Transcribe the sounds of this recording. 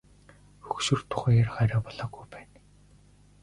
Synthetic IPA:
xɵxʃɵ̆rt̪ʰːʊ̥χæːjarɢæɾaːpɔɮɔːɣujpæːn

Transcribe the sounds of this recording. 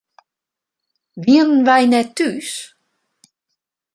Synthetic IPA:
viənvajnɛt̪ːyːs

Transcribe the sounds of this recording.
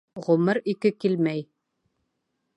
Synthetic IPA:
ʁɵmɤɾikɘkilmæj

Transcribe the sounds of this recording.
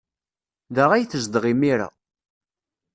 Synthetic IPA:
ðaʁæjθəzd̪əʁimiɾa̰

